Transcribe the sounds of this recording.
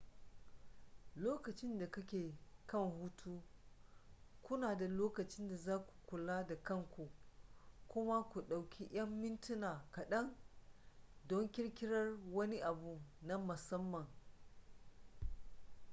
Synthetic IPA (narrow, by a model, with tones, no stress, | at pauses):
loː˦kɐ˨t͡ʃɪ˦nda˨kɐ˦kʲeː˨kɐ˦˨ŋhu˦tʰuː˦ | kʷʊ˦naː˨da˨loː˦kɐ˨t͡ʃɪ˦nda˨zaː˦kʷu̥˨kʷʊ˨laː˦da˨kɐ˦˨ŋkʷu˨ | kʷʊ˦ma˦kʷu˨ɗa˨wkʲʰi˦ʔj̰ɐ˦mːɪ˦ntɪ˦naː˨kɐ˨ɗɐ˦ŋ | dɔ˦ŋkʲɪ˦ɽkʲɪ˦ɽɐ˦rwɐ˦ni˦ʔa˨bu˦˨na˦mʊ˨sɐ˦mːɐ˨ŋ